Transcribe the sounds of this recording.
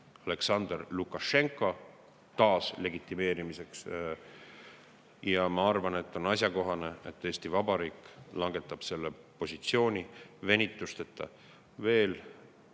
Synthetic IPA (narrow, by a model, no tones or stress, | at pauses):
ɑle̞ksɑnd̪̥rlukːˑɑʃe̞ŋkːˑo̞ | t̪ɑːsle̞ɡit̪ːˑime̞ːɾimise̞ks | jɑmɑɑrvɑne̞t̪ːˑo̞nɑs̬ʲjɑko̞ɦɑne̞et̪ːe̞ːst̪ivɑbɑɾiːkːˑlɑŋɡ̥e̞t̪ːˑɑb̥se̞lːepo̞sit̪sio̞ːnʲive̞nʲit̪ːˑust̪et̪ːɑ̰ | ve̞ːl